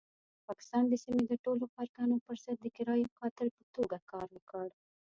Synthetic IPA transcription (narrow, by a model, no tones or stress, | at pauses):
pɑkɪ̥st̪ɑnd̪əsimed̪əʈolokɑɾkɑnopəɾzad̪̚d̪əkɪɾɑjpəxɑt̪ɪlpət̪oɡakɑɾwəkɑɽ